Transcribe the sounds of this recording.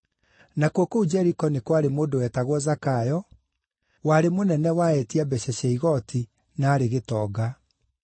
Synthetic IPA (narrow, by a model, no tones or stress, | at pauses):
nakwokoud͡ʒɛɾikɔnekwaɾemoːdowɛtaɣwɔzakajɔ | waɾemonɛnɛwaɛtiabɛɕɛɕɛiɣɔtʰi | naːɾeɣetɔːɡa